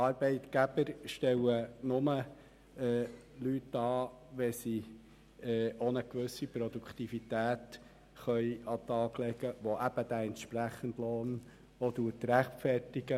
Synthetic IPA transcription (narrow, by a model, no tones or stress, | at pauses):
ɑɾb̥ɛɪt̪ɡ̥æb̥əɾʃtɛwənʊmə | ɛː | lytːɑːʋɛsi | ɛːonəkʋɵsipɾɔd̪ukʰt̪ifit̪æːt̪ | χœjɑt̪ɑːɡlɛɡ̥əʋoʔæb̥əd̥̪æɛntʃpɾæχəndloːn | ɔd̪uətɾæχtfɛrtiɡ̥ə